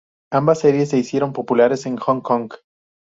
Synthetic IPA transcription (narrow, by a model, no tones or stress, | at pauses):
ambasːe̞ɾje̞s̬ːe̞isje̞ɾo̞mpo̞pulaɾe̞se̞ŋxoŋkoŋɡ